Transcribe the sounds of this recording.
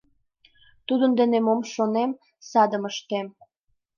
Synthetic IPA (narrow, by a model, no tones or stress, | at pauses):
t̪ud̪ənd̪ə̆nemomʃonem | sɑd̪əməʃt̪em